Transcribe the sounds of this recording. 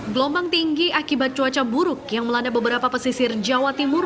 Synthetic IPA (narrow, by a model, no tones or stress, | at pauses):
ɡlɔmbaŋt̪iŋɡiakibat̪̚t͡ʃuat͡ʃabuɾʊk̚jaŋməlandabəbəɾapapəsisird͡ʒawat̪imur